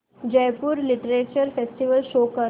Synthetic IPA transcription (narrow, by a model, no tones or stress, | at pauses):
d͡ʑɛjpuːɾliʈɾet͡ɕəɾfesʈiʋəlʃokə